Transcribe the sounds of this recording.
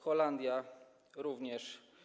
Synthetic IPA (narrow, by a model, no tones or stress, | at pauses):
xɔland̪ʲja | ɾuvɲɛʂ